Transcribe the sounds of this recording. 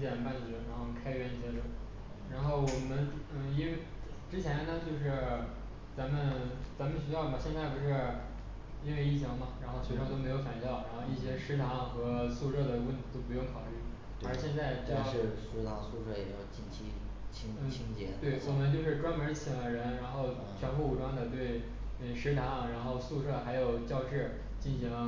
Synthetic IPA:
t͡ɕjɛ˥˨˩npa˥˩nt͡ɕɛ˧˥ɻa˧˥nxo˥˩kʰa˥ɪɥɛ˥˧ni˥˩ɕjɛ˥t̪ə˥˩ | ɻa˧˥nxo˥˩ʊwɔ˨˩mə˦nn̩˥˩i˥nwe˥˩ʈ͡ʂɻ̩˥t͡ɕʰjɛ˧˥nt̪ʰa˥t͡ɕjo˥˧ʊʂɻ̩˥˩ | t͡sa˧˥mə˨nt͡sa˧˥mə˨nɕ̬y˧˥jɑ˥˩ʊmɐ˨˩ɕjɛ˥˧nt͡sa˥˩ɪpu˧˥ʂɻ̩˥˩ | i˥nwe˥˧ɪi˥˩t͡ɕʰjɑ˧˥ŋmɐ˧ɻa˧˥nxo˥˩ʊɕʰɛ˧˥ʂɻɑ˥˩ŋt̪o˥ʊme˧˥ɪjo˧˥ʊfa˨˩nɕjɑ˥˩ʊɻa˧˥nxo˥˧i˥˩ɕjɛ˥ʂɻ̩˥t̪ʰɑ˧˥ŋxɤ˧˥˧su˥˧ʂɤ˥˩d̪ə˩wə˥˩nt̪ʰi˧˥t̪o˥ʊpu˧˥jʊ˥˩ŋkʰɑ˨˩ʊly˥˩ | ə˞˧˥ɕjɛ˥˧nt͡sa˥˩ɪʈ͡ʂ̩˧˥o˥˧˩ʂɻ̩˥t̪ʰɑ˧˥ŋsu˥˧ʂɤ˥˩jɛ̰˨˩jɑ˥˩ʊt͡ɕi˥˩nt͡ɕʰi˥ | t͡ɕʰi˧˥ŋn̩˥˩t͡ɕʰi˥ŋt͡ɕjɛ̰˧˥t̪we˥˩ɪwwɔ˨˩mə˧˦nt͡ɕjo˥˧ʊʂɻ̩˥˧ʈ͡ʂwa˥nmə˧˥t͡ɕʰi˨˩d̪ə˦ɻə˧˥nɻa˧˥nxo˥˩ʊ | t͡ɕʰɥɛ˧˥npu˥˩u˨˩ʈ͡ʂwa˥ŋd̪ə˨t̪̬we˥˩ɪ | ə˥˩ʂɻ̩˧˥t̪ʰɑ˧˥ŋɻa˧˥nxo˥˧ʊsu˥˧ʂɤ˥˩xa˧˥ɪjo˨˩ʊt͡ɕjɑ˥˧ʊʈ͡ʂɻ̩˥˩ | t͡ɕi˥˩nɕi˧˥ŋ

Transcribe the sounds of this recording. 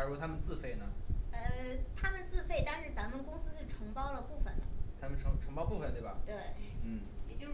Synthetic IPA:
ɔ˥t̪ʰa˥mə˨nt͡sɹ̩˥˧fe˥˩ɪnə˩ə˧t̪ʰa˥mə˨nt͡sɹ̩˥˧fe˥˩ɪt̪a˥˧nʂɻ̩˥˩t͡sa˧˥mə˨nkʊ˥ŋsɹ̩˥ʂ̩˥˩ʈ͡ʂʰɤ˧˥ŋpɑ˥ʊlə˨pu˥˩fə˨˩nd̪ə̰˩t͡sa˧˥mə˨nʈ͡ʂʰɤ˧˥ʈ͡ʂʰɤ˧˥ŋpɑ˥ʊpu˥˩fə˨nt̪we˥˩bɐ˩t̪we˥˩ɪn̩˥˩ | jɛ˨˩t͡ɕjo˥˧ʊʂ

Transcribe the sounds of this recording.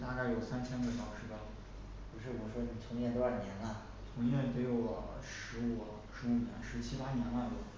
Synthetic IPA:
t̪a˥˧ka˥˩ɪjo˨˩ʊsa˥nt͡ɕʰjɛ˥nɡə˧˩ɕjɑ˨˩ʊʂɻ̩˧˥bə˨˩ | pu˧˥ʂɻ̩˥˩wɔ˨˩ʂwɔ˥ni˨˩t͡sʰʊ˧˥ŋjɛ˥˧t̪ɔ˥a˥˩njɛ˧˥nɐ˧ | t͡sʰʊ˧˥ŋjɛ˥˩nt̪e˥jo˥˩ʊlə˩ʂɻ̩˧˥u˨˩ | ʂɻ̩˧˥u˨˩njɛ̰˧˥nʂɻ̩˧˥t͡ɕʰi˥pa˥njɛ˧˥nwa˥˩nd̪ə˧˩

